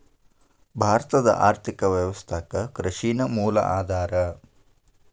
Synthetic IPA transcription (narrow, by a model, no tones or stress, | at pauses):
bʱaːɾɐt̪ɐd̪ɐ̰ʔaːɾt̪ʰikɐʋjɐʋɐst̪ʰaːkɐkɾɐʃiːnɐmuːlɐ̰ʔaːd̪ʱaːɾɐ